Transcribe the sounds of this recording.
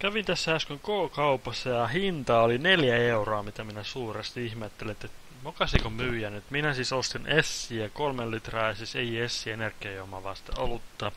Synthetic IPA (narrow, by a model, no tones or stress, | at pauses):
kæʋint̪æsːæɑskyŋkoːkɑupɑsːɑjɑhint̪ɑolineljæeuroɑmit̪æminæsuːrest̪iihmet̪ːelinet̪ːet̪ | mokɑsikomyːjænyt̪minæsisost̪inʔesːiækolmellit̪rɑːjɑsiseiesːienerkːˑejomɑ̰ʋɑ̰ːst̪ḛolutt̪t̪ːɑ